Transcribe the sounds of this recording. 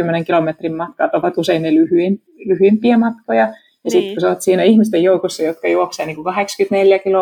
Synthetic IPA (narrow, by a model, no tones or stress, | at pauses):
ymːeneŋkilomet̪rimmɑt̪̚kɑːt̪oʋɑt̪useinnelyhyem | lyhyimpiæmɑt̪kojɑ | jɑsit̪kusot̪siːnæihmist̪ejjoukosːɑjot̪kɑjuokseːniːŋkukɑhekskyt̪neljækilo